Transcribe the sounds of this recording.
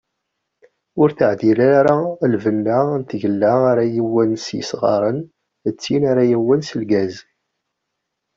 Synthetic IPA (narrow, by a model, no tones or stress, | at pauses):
ʊɾθəʕðilæɾalvənːant̪ʝəlːaaɾajiwːənsjə̰sʁɑ̰ɾˤən | ət͡sːinaɾajiwːənsəlɡæz